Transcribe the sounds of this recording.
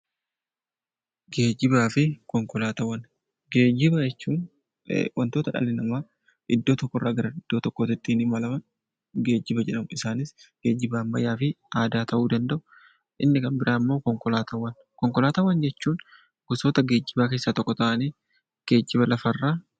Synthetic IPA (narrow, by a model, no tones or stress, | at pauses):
ɡe̞ːd͡ʒːɪbaːfɪkɔŋkɔlaːt̪ɐwɐn | ɡe̞ːd͡ʒɪbɐd͡ʒɛt͡ʃːuːn̰ | wɐnt̪o̞ːt̪ɐᶑɐ̰lɪnɐmaː | ʔɪd̪ːo̞ːt̪ɔkːɔrːaːɡɐɾɐɪd̪̥ːoːt̪ɔkːot̪ɪt̪ʼːiːnimɐlɐmɐn | ɡe̞ːd͡ʒːɪbɐd͡ʒɛᶑɐmʊɪsaːnɪsɡ̥e̞ːd͡ʒːɪbaːmːɐ̰jaːfɪ | aːd̪aːt̪ʰɐʔuːd̪ɐnd̪ɐʔʊ | ʔɪnːɪkɐnbɪɾʔaːmːo̞ːkɔŋkɔlaːt̪ɐwɐn | kɔŋkɔlaːt̪ɐwɐnd͡ʒɛt͡ʃːuːn | ɡ̥ʊsoːt̪ɐɡe̞ːd͡ʒːɪbaːke̞ːsːaːt̪ɔkːɔt̪ɐʔɐniː | ɡ̥e̞ːd͡ʒːɪbɐlɐfɐrːaː